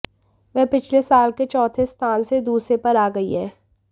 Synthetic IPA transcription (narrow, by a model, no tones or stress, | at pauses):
ʋɛːpɪt͡ʃʰlesaːlket͡ʃɔːt̪ʰest̪ʰaːnsed̪uːsɾepɐɾaːɡɐiɦɛː